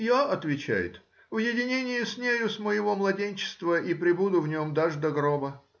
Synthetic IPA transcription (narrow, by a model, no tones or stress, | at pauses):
jaʔɐt̪vʲɪt͡ɕæ̰jɪ̰t̪ | vjɪdʲɪnʲenʲɪjɪsʲnʲejʊsməjɪvo̞mlˠɐdʲenʲt͡ɕɪ̥st̪vəʔipɾʲɪbud̪ʊvnʲomd̪aʐd̪ɐɡɾobə